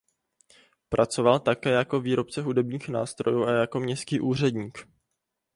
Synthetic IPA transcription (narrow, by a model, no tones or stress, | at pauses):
pɾʔat͡so̞valt̪akɛːjako̞viːɾo̞pt͡sɛɦudɛbɲiːxnaːst̪ɾo̞juːʔajako̞mɲɛst̪kiːʔuːr̝ɛdɲiːk